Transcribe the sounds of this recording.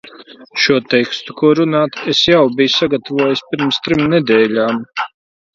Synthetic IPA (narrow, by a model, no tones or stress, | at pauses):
ʃuɔt̪ɛjkst̪ukuɔɾunaːt̪esjawbijsaɡat̪avuɔjisʲpiɾmst̪ɾimned̪ɛːlʲaːm